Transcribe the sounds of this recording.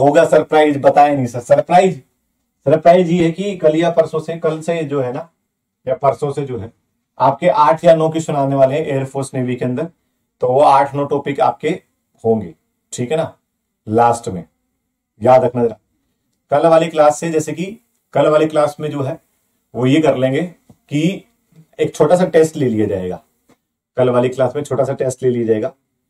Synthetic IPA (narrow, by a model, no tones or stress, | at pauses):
ɦoːɡasɐɾpɾaːɪzbɐt̪aːenɐɦĩsɐɾsɐɾpɾaːɪz | sɐɾpɾaːɪzjekikɐlijapɐɾsõsekɐlsed͡ʒoːɦɛnaː | japɐɾsõsed͡ʒoːɦɛː | aːp̚keʔaːʈʰjanɔːkisʊnaːneʋaːleɦɛ̃ʔeːəɾpʰoːɾsneːʋikeɐ̃nd̪əɾ | t̪oʋoaːʈʰnoːʈoːpɪka̰ːp̚ke | hõːŋɡḛː | ʈʰiːkɦɛna | laːsʈmḛ̃ | jaːd̪ɾɐkʰnaɾaː | kɐlʋaːliklaːsːed͡ʒɛːseki | kɐlʋaːleklaːsmẽd͡ʒoːɦɛː | ʋojekɐɾlẽːŋɡeːki | eːk̚t͡ʃʰoːʈas̬aʈeːsʈleːlijad͡ʒaːeːɡa̰ː | kɐlʋaːliklaːsmẽt͡ʃʰoːʈasaʈeːsʈleːliad͡ʒaːeːɡaː